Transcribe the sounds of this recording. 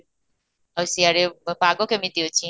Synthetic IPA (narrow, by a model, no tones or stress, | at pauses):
əwsiaɾepaɡokemit̪iot͡ʃʰi